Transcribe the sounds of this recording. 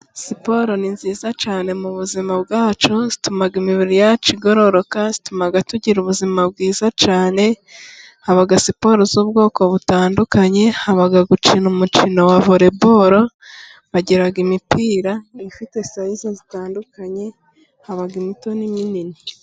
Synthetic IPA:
sipo̞ɾo̞ninziːzat͡ʃaːne̞muβuzimabɡaːt͡ʃoz̥itumaɡimiβiɾijat͡ʃiɡo̞ɾo̞ɾo̞kaz̥itumaɡatuɟiɾuβuzimab̚ɡiːzat͡ʃaːne̞ | haβaɡasipo̞ɾozuːbɡo̞ːko̞βutaːndukaɲe̞haβaɡaɡut͡ʃinumut͡ʃino̞waβoɾe̞bo̞ɾo̞ | βaɟeɾaɡimipiːɾaifite̞sajizozitaːndukaɲe̞ | haβaɡimito̞niminini

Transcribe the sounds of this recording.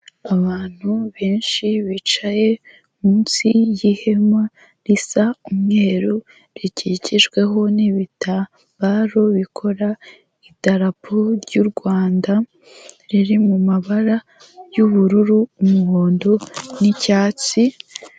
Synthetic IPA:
aβaːn̥huβeːnʃiβit͡ʃaje̞ | munsijihe̞ma | ɾisaumŋe̞ːɾu | ɾiciciʒɡwe̞ɦo̞niβita | mbaːɾo̞βikʰo̞ɾa | itaɾapʰoɾɟuɾɡwaːnda | ɾiɾimumaβaɾa | juβuɾuɾuːmuhoːndo̞nicaːt͡si

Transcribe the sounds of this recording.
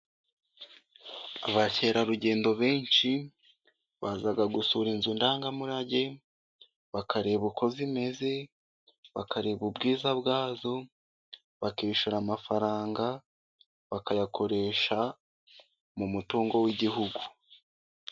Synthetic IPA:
a̰βace̞ɾaɾuɟe̞ːndo̞βe̞ːnʃi | βaːzaɡaɡusuɾinzundaːŋɡamuɾaɟe̞ | βakʰaɾe̞βukʰo̞zime̞ze̞ | βakʰaɾe̞βubɡiːzaβɡaːzo̞ | βakiːʃuɾamafaɾaːŋɡa | βakajakʰo̞ɾe̞ʃa | mumutuːŋɡo̞wiɟiɦuɡu

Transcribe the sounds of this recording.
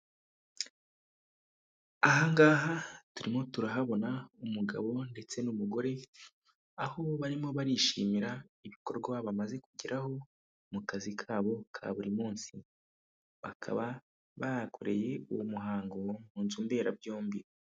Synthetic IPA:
aɦaŋɡaːɦatuɾimo̞tuɾaɦaβo̞naumuɡa̰βo̞nde̞t͡se̞numuɡo̞ɾe̞ | aho̞βaɾimo̞βaɾiʃiːmiɾa | iβiko̞ɾɡwaβamaze̞kuɟiɾʔaho̞ | mukazikʰaːβo̞kʰa̰βuɾimuːnsi | βakʰa̰βa | βaɾakʰoɾe̞je̞uwomuɦaːŋɡomhuːnzumbe̞ːɾabjoːmbi

